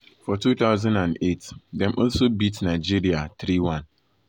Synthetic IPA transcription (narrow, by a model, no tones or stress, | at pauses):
fɔtuθaʊzãndãndetdɛ̃mʔɔlsobitnaɪd͡ʒiɹiatɹiwãn